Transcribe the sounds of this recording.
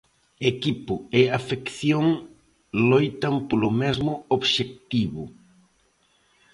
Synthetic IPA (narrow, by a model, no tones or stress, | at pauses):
ekipʊeafekθjoŋ | lojt̪ampolomɛzmʊoβʃek̚t̪iβʊ